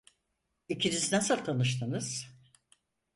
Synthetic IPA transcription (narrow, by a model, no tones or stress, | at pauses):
icʰiniznasɯlʲˠt̪ʰanɯʃ̬t̪ʰɯnɯz̥